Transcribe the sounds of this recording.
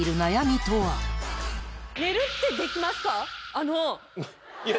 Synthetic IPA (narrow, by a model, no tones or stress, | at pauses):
iɾɯ̟najamʲit̪oa | neɾɯt̪ːed̪ekʲimask̪aːno